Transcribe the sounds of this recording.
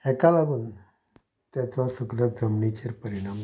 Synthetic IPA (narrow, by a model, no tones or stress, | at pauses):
ɛkalaɡuːn | t̪jat͡sɔsuɡlad͡zəmɳit͡ɕeɾpəɾiɽ̃am